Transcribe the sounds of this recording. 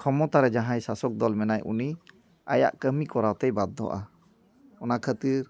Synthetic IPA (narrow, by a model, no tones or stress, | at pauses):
kʰɔmɔt̪aɾɛd͡ʒaɦãjsasɔk̚d̪ɔlmɛnajʔṵni | a̰ja̰ʔkəmikɔɾawt̪ɛjbad̪ːɔ̰ʔa̰ | ɔnakʰət̪iɾ